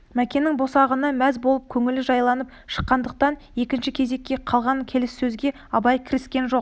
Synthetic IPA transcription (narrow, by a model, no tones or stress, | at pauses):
mækʲe̞nɪŋbo̞sɑʁənɑmæzbo̞lˠəp̚kʲʰɵŋɪlɪʒɑjlˠɑnəp̚ | ʃə̥qːɑnd̪əq̚t̪ɑn | e̞kʲɪnʃɪkʲʰe̞ze̞kʲːe̞qʰɑlˠʁɑŋkʲʰe̞lɪsːɵzɡʲe̞ | ɑbɑjkʲʰɪɾɪskʲe̞nʒo̞q